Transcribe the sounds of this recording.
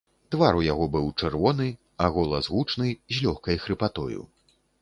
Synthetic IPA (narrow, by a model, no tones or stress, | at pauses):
t̪vaɾujaɣɔbɨwt͡ʂɛrvɔnɨ | aɣɔlˠɐzɣut͡ʂnɨzʲlʲɔxkɐjxɾɨpat̪ɔ̰jṵ